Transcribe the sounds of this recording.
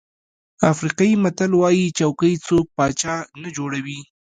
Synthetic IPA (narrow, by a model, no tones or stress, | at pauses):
afɾiqɑjimat̪alwɑjit͡ʃawkəjt͡sok̚pɑt͡ʃɑnad͡ʒoɽawi